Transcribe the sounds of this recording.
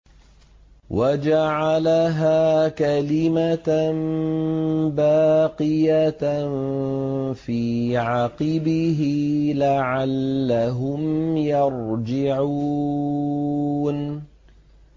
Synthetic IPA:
wʔad͡ʒaʕalaɦaːkalɪman | baːqɨjan | fiːʕaɑqɨbɪɦɪlaʕalːaɦʊmjɑɾd͡ʒɪʕu | n

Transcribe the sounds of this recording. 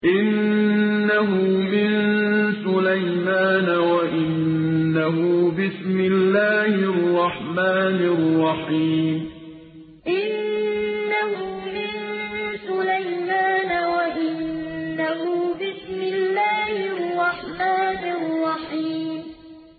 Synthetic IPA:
ʔɪnː | aɦʊmɪnsʊlajmaːnawaʔɪnːaɦʊbɪsmɪlːaːhɪrˤːɑħmaːnɪrˤːɑħiːm | ʔɪnː | ahʊmɪnsʊlajmaːnawaʔɪnːaɦʊbɪsmɪlːaːhɪrˤːɑħmaːnɪrrˤːɑħiːm

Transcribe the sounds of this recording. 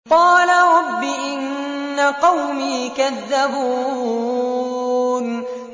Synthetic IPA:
qɑːlaɾˤɑbːiʔɪnːaqɑwmiːkaðːabuː | n

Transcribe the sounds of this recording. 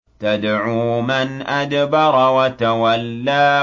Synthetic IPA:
t̪ad̪ʕumanʔad̪bɑɾˤwat̪awalːaː

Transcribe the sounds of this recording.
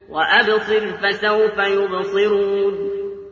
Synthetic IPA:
waʔabsˤɨɾfasahʊfajʊbsˤɨɾuːn

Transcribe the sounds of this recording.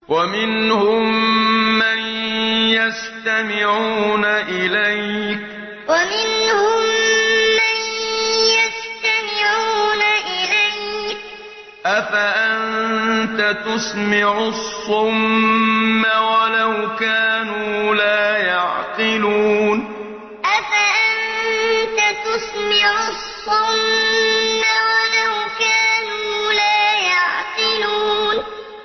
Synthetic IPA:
wamɪnhʊmmːanjas | t̪amɪʕuːnaʔɪlajk | wamɪnhʊmː | anjast̪amɪʕuːnaʔɪlajk | ʔafaʔant̪at̪ʊsmɪʕʊsˤːʊmː | awalawkaːnuːlaːjɑʕqɪluːn | ʔafaʔant̪at̪ʊsmɪʕʊssˤːʊmː | awalawkaːnuːlaːjɑʕqɪluːn

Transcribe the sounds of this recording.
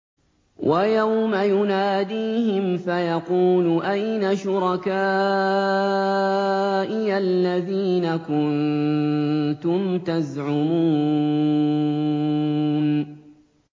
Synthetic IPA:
wʔajawmajʊnaːd̪iːhɪmfajɑquːlʊʔajnaʃʊɾɑkaː | ʔɪalːaðiːnakʊn | t̪ʊmt̪azʕʊmuː | n

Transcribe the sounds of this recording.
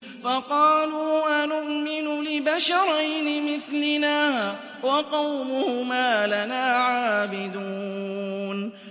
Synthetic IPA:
fɑqɑːluːʔanʊʔmɪnʊlɪbaʃɑɾˤɑjnɪmɪθlɪnaː | wɑqɑwmʊhʊmaːlanaːʕaːbɪd̪uː | n

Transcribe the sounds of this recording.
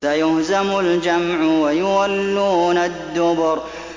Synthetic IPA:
ajʊhzamʊld͡ʒamʕʊwajʊwalːuːnad̪ːʊbʊɾ

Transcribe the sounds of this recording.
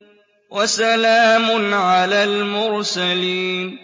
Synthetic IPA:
wʔasalaːmʊnʕalaːlmʊɾsaliːn

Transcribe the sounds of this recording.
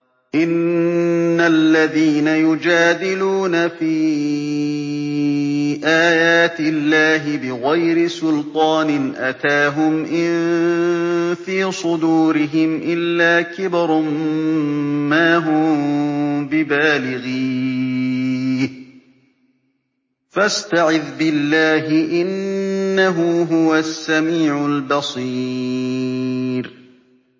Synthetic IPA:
ʔɪnː | alːaðiːnajʊd͡ʒaːd̪ɪluːnafiː | ʔaːjaːt̪ɪlːaːɦɪbɪɣajɾɪsʊlt̪ˤɑːnɪnʔat̪aːɦʊmʔɪn | fiːsˤʊd̪uːɾɪɦɪmʔɪlːaːkɪbɾˤ | aːɦʊ | bɪbaːlɪɣiː | h | fast̪aʕɪðbɪlːaːɦɪʔɪnːaɦuɦʊwasːamiːʕʊlbɑsˤiː | ɾ

